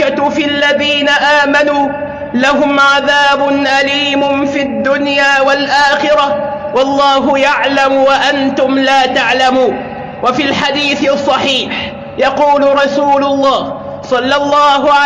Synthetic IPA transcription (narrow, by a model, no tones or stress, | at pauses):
afialːaðiːnaʔaːmanuː | laɦʊmʕaðaːbʊnʔaliːmʊfiad̪ːʊnjaːwalʔaːxɪɾa | wɑlˤːɑːɦʊjaʕlamwaʔant̪ʊmlaːt̪aʕlamuːn | wafilħad̪iːθɪsˤːɑħiːħ | jɑquːlʊɾˤɑsuːlʊlˤːɑːh | sˤɑlːɑlˤːɑːɦʊʕa